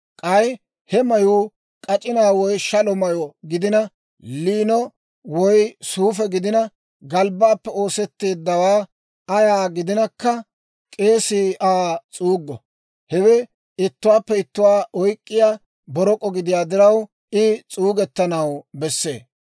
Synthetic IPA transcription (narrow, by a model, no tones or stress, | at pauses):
kʼɐj | hɛmɐjuː | kʼɐt͡ʃʼɪnaːwɔjʃɐlɔmɐjɔɡɪd̪ɪnɐ | liːnɔ | wɔjsuːfɛɡɪd̪ɪnɐ | ɡɐlbaːpːɛo̞ːsɛt̪ːeːd̪ːɐwaː | ɐjaːɡɪd̪ɪnɐkːɐ | kʼe̞ːsiːʔaːt͡sʼuːɡːɔ | hɛwɛ | ɪt̪ːʊwaːpːɛɪt̪ːʊwaːɔjkʼːɪjaː | bɔɾɔkʼɔɡɪd̪ɪjaːd̪ɪɾɐw | ɪt͡sʼuːɡɛt̪ːɐnɐwbɛsːḛː